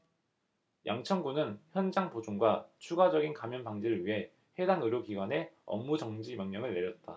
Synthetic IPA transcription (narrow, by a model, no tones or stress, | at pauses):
jʔa̰ŋt͡ɕʰʌŋɡunɯnçjʌnd͡ʑaŋpod͡ʑoŋɡwat͡ɕʰuɡad͡ʑʌɡinkamjʌnpaŋd͡ʑiɾɯɭɥiɦe̞ | he̞daŋɯɾjoɡiɡwane̞ʌ̰mːud͡ʑʌŋd͡ʑimjʌŋɲʌŋɯɭːe̞ɾjʌt̚t͈a